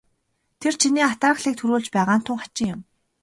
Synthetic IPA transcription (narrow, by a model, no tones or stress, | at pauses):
t̪ʰer̥t͡ɕʰiniːat̪aːxɮiːk̚t̪ʰuɾuːɮt͡ɕpæːʁaːn̥t̪ʰʊŋχḁt͡ɕɪ̆ŋjʊm